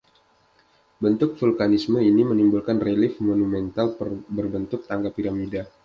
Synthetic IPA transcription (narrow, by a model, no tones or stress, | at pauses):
bənt̪ʊk̚fulkanisməinimənimbulkanrelɪfmonumɛnt̪albərbənt̪ʊk̚t̪aŋɡapiɾamida